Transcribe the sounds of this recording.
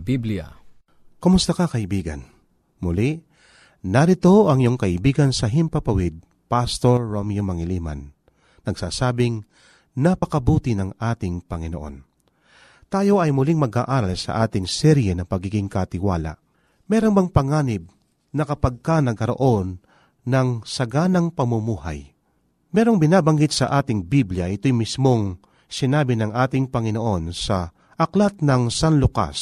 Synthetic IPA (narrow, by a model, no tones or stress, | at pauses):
biblia̰ | komʊst̪ɐkakɐʔɪbiːɡɐ̰n | mʊlɪʔ | nɐɾɪt̪o̞ʔɐŋjoŋkɐʔɪbiːɡɐnsɐɦɪmpɐpɐwɪd̪̚ | past̪oɹːomjomɐŋɪliːma̰n | nɐɡ̥saːsaːbɪŋ | nɐpɐkɐbuːt̪ɪnɐŋʔaːt̪ɪŋpɐŋɪnoʔo̞̰n | t̪aːjo̞ɐjmʊlɪŋmɐɡaʔaːɾalsɐ̰ʔaːt̪ɪŋsɛɾjɛnɐpɐɡiːɡɪŋkɐt̪ɪwaːla̰ʔ | mɛːɾonbɐŋpɐŋaːnɪb̚ | nɐkɐpɐɡ̚kanɐɡ̚kɐɾo̰ʔo̞nː | ɐŋsɐɡanɐŋpɐmʊmuːha̰j | mɛːɾo̞ŋbɪnaːbɐŋɡɪt̪̚sɐʔaːt̪ɪŋbibljɐʔɪt̪o̞jmismo̞ŋ | sɪnaːbɪnɐŋʔaːt̪ɪŋpɐŋɪno̞ʔo̞nsɐ | ʔɐklat̪̚nɐŋsanlʊka̰s